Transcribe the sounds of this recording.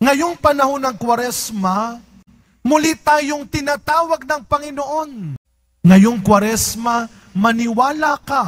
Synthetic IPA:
ŋɐjoŋpɐnɐhonɐŋkwɐɾɛsma | mʊlit̪aːjoŋt̪ɪnaːt̪aːwɐɡ̚nɐŋpɐŋɪnoʔon | ŋɐjoŋkwɐɾɛsmɐ | mɐnɪwaːlaka

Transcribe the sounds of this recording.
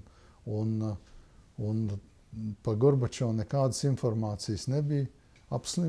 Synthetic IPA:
un | un | paɡɔɾbat͡ʃoːnekaːd̪ə̥sinfɔɾmaːt̪sijsnebij | apslˠi

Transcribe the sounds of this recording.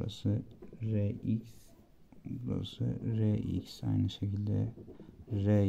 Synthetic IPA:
ɾa̰sɯɾeiks | ɾa̰sɯ̰ɾeʔḭksa̰jnɯʃecʰilʲd̪ɛ̰ | ɾe

